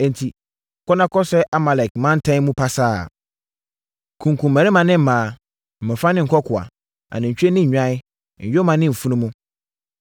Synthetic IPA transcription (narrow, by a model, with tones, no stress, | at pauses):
ɛ̃˨n˨tʰi˨ | kʰɔ˦nã˦kʰɔ˦sɛ˦ʔa˦ma˨lɛ˨kmã˦n̩˦tʰã˦mũ˦pʰa˦saː˦˨ | kʰũ˨ŋkʰũ˨mː˨æ̃˨ɾɪ˦mã˨nɪ̃˦m̩˨mãː˨ | m̩˨mɪ̃˨fã˦nɪ̃˦ŋ̩˨kʰɔ˦kʰʊ˨a̰˨ | ã̰˨nɪ̃˨ɲ̩˨t͡ɕᶣe˦nɪ̃˦ɲ̩˨ɲᶣã˦ɪ˦˨ | ɲ̩˨jo˦mã˨nɪ̃˦m̩˨fu˦nũ˦mũ˦